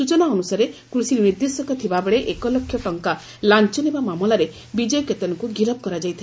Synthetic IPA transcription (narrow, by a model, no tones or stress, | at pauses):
sut͡ʃɔnaɔnusaɾekɾusiɾniɾd̪esɔkɔt̪ʰibabeɭeʔekɔlɔkʰːjɔʈɔŋka | lant͡ʃɔnebamamɔlaɾe | bid͡ʒɔjɔket̪ɔnɔkuɡiɾɔb̚kɔɾad͡ʒajt̪ʰi